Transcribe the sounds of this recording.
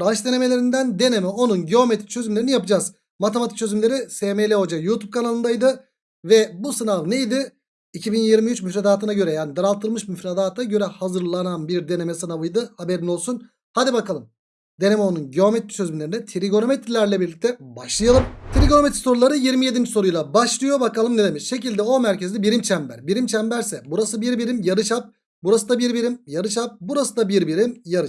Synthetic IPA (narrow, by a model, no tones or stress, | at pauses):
ɾaʃd̪e̞ne̞me̞lʲeɾind̪ænd̪e̞ne̞mɛo̞nunɟeo̞met̪ʰɾi̥t͡ʃʰø̞zymleɾinijapɯd͡ʒaːz̥ | mat̪ʰemat̪i̥k̚t͡ʃʰø̞zymlʲe̞ɾisemejlʲɛod͡ʒajuːt̪ʰub̚kʰanalˠɯnd̪ajd̪ɯ | vɛbusɯnavne̞jd̪ɪ | icʰibinjiɾmiyt͡ʃmyfɾad̪aːt̪ʰɯnaɟø̞ɾɛjaːnid̪aɾalˠt̪ʰːɯlˠmɯʃmyfɾad̪aːt̪ʰaɟø̞ɾɛhazɯɾlˠananbiɾd̪e̞ne̞mɛsɯnavɯjd̪ɯhabeɾinolˠsun | had̪ibakalˠɯm | d̪e̞nemɛonunɟo̞met̪ɾi̥søzbynlʲeɾinɛt̪ʰiɾiɡo̞no̞met̪ɾilʲæɾlʲɛbiɾlʲic̚t̪ʰɛbaʃlˠɯjalˠɯmt̪ʰiɾiɡo̞noet̪ɾiso̞ɾulˠaɾɯjiɾmije̞d̪inso̞ɾujlˠabaʃlˠɯjo̞bakalˠɯmned̪e̞miʃʃe̞cilʲd̪ɛo̞mæɾce̞zid̪ɛbiɾimt͡ʃʰæmbæɾbiɾimt͡ʃʰæmbæɾsɛbuɾasɯbiɾbiɾimjaɾɯʃap̚ | buɾasɯd̪abiɾbiɾimjaɾɯʃap̚buɾasɯd̪abiɾbiɾimjaɾɯʃ